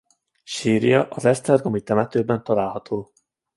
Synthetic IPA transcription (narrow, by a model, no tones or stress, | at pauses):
ʃiːɾijɒʔɒzɛst̪ɛrɡomit̪ɛmɛt̪øːbɛnt̪ɒlaːlɦɒt̪ʰoː